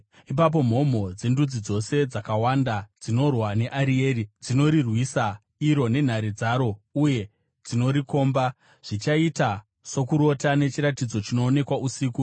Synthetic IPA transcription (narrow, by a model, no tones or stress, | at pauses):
ip̬ap̬o̞m̤o̞m̤o̞d͡ze̞ndud͡zid͡zo̞se̞d͡zakawandad͡zino̞rwane̞ʔaɾieːɾid͡zino̞ɾirwisa | iɾo̞ne̞n̤aɾid͡zaɾo̞uje̞ | d͡zino̞ɾiko̞ːmba | ʐ̥it͡ʃaita | so̞kuɾo̞tane̞t͡ʃiɾatid͡zo̞t͡ʃino̞ːne̞kwaʔusiːku